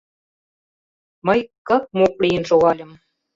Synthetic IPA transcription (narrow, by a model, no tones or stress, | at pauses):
mə̆jkɤk̚moklʲijə̆nʃoɣɑlʲə̆m